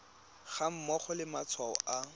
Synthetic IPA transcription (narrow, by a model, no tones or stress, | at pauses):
χam̩mɔχɔlɪmat͡sʰwaɔ̰ʔa